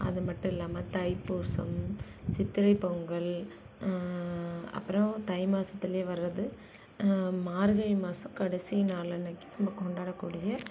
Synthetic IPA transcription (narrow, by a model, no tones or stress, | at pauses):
ɐ̰ðɯmɐʈːʊ̃ɪlːaːmɐt̪ɐɪpːuːɾsɐ̰m | t͡ʃɪt̪ːɪɾɐɪpːoːŋɡɐɭ | ɐ̰pːɯɾɔ̃t̪ɐɪmaːsɐt̪ːɪleːʋɐɾːɐðɯ | maːɾɣɐɪmaːsɐmkɐɽɐsinaːlɐnɐkːɯ̥nɐmbɐkɔɳɖaːɽɐkːuːɽɪjɐ